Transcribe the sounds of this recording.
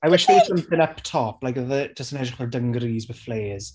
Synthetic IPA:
ajwɪʃiəsəmθɪ̃nəptʰɔplaɪjkəðəd͡ʒəstənɛʒɪχwɛlˠdəŋɡɾiːzwəfleːz̥

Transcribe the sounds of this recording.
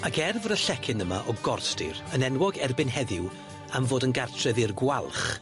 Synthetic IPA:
akʰɛrvəɾəɬɛkʰɪnəma̰ʔɔɡɔrθtɪ̰rənɛnwɔɡɛrbɪnɦɛðɪw | amvoːdənɡartʰrɛðɪrɡwalˠχ

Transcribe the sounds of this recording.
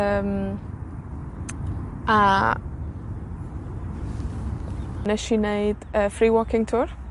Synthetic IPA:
əːm | a | nɛʃineɨd̥əfriːwɔkʰɪŋtʰuːr

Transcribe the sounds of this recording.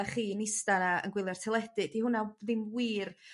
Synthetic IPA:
aχiːnɪstanaə̰nɡwɪlˠjartʰɪlˠɛd̥ɨdihʊnaðɪmwiːr

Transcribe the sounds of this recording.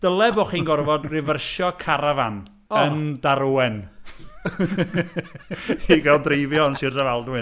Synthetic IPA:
d̥əlˠɛbɔːχiːnɡɔrvɔdrɪvərʃɔkʰaɾavan | ənnd̥aɾuwɛn | iɡalˠdrivjɔnsirdavalˠdwɪ

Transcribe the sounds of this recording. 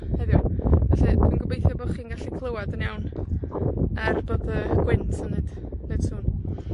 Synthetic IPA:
hɛðjɔvɛɬɨdʰwinɡʊbejθjɔbo̥ːχiːnɡaɬikʰlˠəwadənjawn | arboːdəɡ̥wɪntʰənːed̥ned̥suːn

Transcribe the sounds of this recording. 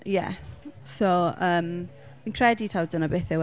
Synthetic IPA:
jɛ̰soəːm | m̥inkʰrɛditʰawdənabeːθɪw

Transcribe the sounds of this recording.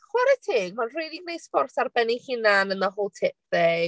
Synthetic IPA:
χwɛɾɛtʰɪːɡmanrejdiɡnejspɔrtʰarbɛnɪhɪnanənaɦʊlˠtʰɪp̚ðɛ

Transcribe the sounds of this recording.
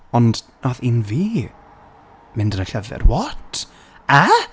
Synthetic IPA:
ɔndnaðɪnviː | mɪndənəɬavɛ̰rwɔtʰ | a

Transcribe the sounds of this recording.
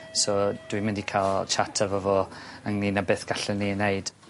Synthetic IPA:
sɔd̥wimɪndikʰaːlˠt͡ʃʰatʰavɔvɔəŋninabeːθɡ̥aɬɛnineɨd̥

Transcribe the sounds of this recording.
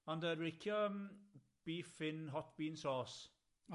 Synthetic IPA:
ɔndəɹɪkʰjɔəm | b̥iːfɪnɦɔtb̥iːnsɔːs

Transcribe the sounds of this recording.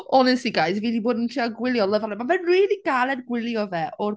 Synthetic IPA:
ɔnɛsiɡaɨsviːdiboːdn̩tʰriaɡwɪlˠjɔlˠəvalɛmanvɛnriːlˠiɡ̥alˠɛdɡwɪlˠjɔvɛʔɔr

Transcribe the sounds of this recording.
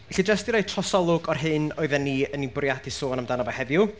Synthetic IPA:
ɛɬid͡ʒastd̥iɾaːtʰrɔsɔlˠʊɡɔrɦɨnɔɨðɛnːiənibʊrjadisoːɔnamdanabahɛvjʊ

